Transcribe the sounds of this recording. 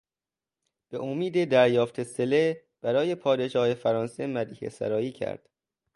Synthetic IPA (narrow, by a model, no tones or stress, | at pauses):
b̥e̞ʔomiːd̪ed̪æɾjɒːft̪ʰesele | b̥æɾɒːje̞pʰɒːd̪e̞ʃɒːhefæɾɒːnse̞mæd̪iːhḛsæ̰ɾɒːjiːcʰæ̰ɾd̪̥